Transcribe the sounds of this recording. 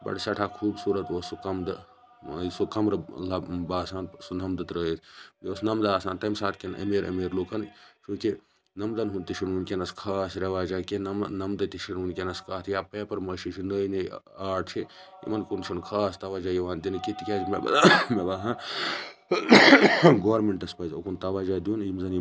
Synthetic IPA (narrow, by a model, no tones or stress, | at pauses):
bɐ̰ɽsɐʈʰaːkʰuːbsuːɾɐt̪oːsukɐmd̪ | sukɐmɾɐlɐbaːsaːnsunɐmd̪ɐt̪ɾəːt̪oːsnɐmd̪aːsaːnt̪ɐmsaːt̪̚kenʔɐ̰meːɾɐ̰meːɾloːkɐnt͡ʃũːki | nɐmd̪ɐnɦunt̪iʃʰinmunkʲenɐskʰaːsɾʲɐʋaːd͡ʒakennɐmd̪ɐt̪iʃʰinunkʲenɐskaːt̪ʰjaːpeːpɐɾmɐʃit͡ʃʰinəːini | aːʈt͡ʃʰi | ḭmɐnkunt͡ʃʰunkʰaːst̪ɐʋaːd͡ʒaːjiʋaːnt̪inikit̪ikʲaːd͡ʒmeb̰mebɐɦã | ɡoːɾmeɳʈɐspɐzokunt̪ɐʋaːd͡ʒaːd̪juːnjimzɐni